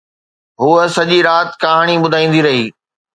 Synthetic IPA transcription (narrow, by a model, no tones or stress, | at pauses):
ɦuəsɐʄiɾaːt̪kaɦaɽ̃iɓʊd̪ʱaːĩːn̆d̪iɾɐɦiː